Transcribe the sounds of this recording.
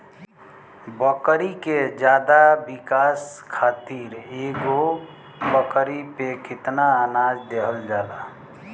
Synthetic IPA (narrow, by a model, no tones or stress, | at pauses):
bəkɾiked͡ʒjaːd̪abikaskʰaːt̪iɾeɡo | bəkɾipekɪt̪naənad͡ʒd̪eɦəld͡ʒaːla